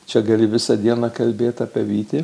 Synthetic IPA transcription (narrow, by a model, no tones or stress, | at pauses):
t͡ʃʲɛɡɐlʲɪʋʲɪsɐd̪ʲiɛnɑkɐlʲbʲeːt̪ʲɑːpʲɛʋʲiːt̪ʲeː